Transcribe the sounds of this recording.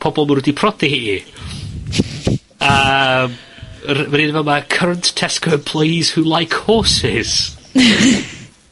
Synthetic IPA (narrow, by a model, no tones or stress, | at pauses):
pʰɔbɔlˠməɾɪdipʰrɔdihi | əm | rmaninvɛmakʰəɾənttʰɛskəpʰl̥ejz̥hulˠajkʰhɔːsɪz̥